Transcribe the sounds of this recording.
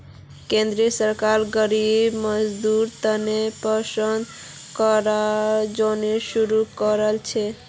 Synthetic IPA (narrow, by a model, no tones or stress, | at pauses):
kẽnd̪ɾiəsəɾkaɾɡəɾibməd͡ʒd̪uɾt̪ənepəsənd̪ | kɔɾad͡ʒoneʃuɾukɔɾəlt͡ʃʰe